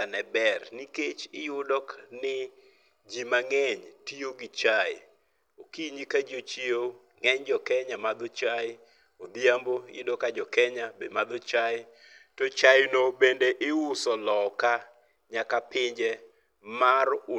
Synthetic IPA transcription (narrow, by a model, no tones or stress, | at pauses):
anɛbɛrniket͡ʃɪ̰jʊdɔknɪ | d͡ʒimaŋɛɲtioɡɪt͡ʃajɪ | okiɲikad͡ʒot͡ʃo | ŋɛɲd͡ʒɔkɛɲamad̪ɔt͡ʃajɪ | od̪jambojʊ̰dɔkad͡ʒɔkɛɲabedmad̪ɔt͡ʃaj | tɔt͡ʃajnobendeʔɪʊsɔlɔka | ɲakapɪɲd͡ʒɛ | marʊ